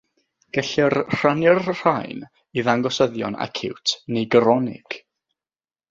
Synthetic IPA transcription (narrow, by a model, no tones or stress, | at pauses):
ɡ̥əɬɪrr̥anjɛrr̥ajn | iðaŋɡɔsəðjɔ̰na̰kʰɪ̰wtʰnejɡəɾɔnɪ̰ɡ̥